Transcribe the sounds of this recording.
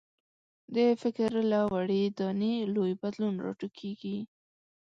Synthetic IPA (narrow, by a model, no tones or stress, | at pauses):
d̪əfɪkɾlawaɽid̪ɑnilojbad̪lunɾɑ̰ʈukʰeɡi